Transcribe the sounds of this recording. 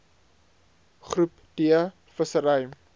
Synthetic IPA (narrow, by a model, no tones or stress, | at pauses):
χrup | d̥iə | fəsəɾəj